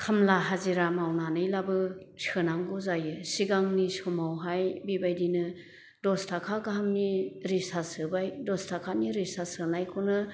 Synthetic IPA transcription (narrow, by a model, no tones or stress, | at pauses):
kʰamlaɦaziɾamawnanɯjlabɯsɯnaŋɡɔzajɯsiɡaŋnisɔmawɦajbibajdinɯ | dɔstʰakʰaɡaɦamniɾisasɯbajdɔstʰakʰaniɾisasɯnajkʰunɯ